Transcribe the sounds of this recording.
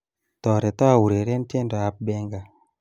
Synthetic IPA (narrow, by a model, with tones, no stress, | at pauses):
tɔ˨ɾe˨t̪a˦˨wu˨ɾe˨ɾe˦n˦te˦nda˨a˦p̚bɛ˦ŋɡa˨